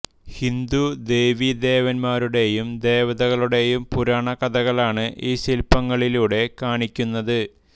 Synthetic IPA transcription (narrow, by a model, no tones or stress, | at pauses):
hind̪ud̪e̞ːʋid̪e̞ːʋɐnmaːɾuɽe̞jumd̪e̞ːʋɐðɐɣɐɭuɽe̞jumpuɾaːɳɐkɐðɐɣɐɭaːɳɨʔiːɕilpːɐŋːɐɭiluːɽe̞kaːɳikʲːunːɐðɨ